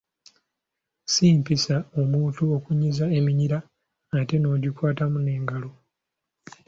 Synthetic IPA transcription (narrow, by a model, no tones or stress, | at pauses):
siːmpisao̞muːtuo̞kuɲizae̞miɲiɾaː | te̞no̞ːɟikwaːtamune̞ːŋɡalo̞